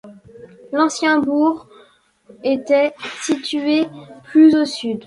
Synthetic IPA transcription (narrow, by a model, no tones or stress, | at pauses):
lɑ̃sjɛ̃buʁ | et̪ɛsit̪yeplyzosyd̪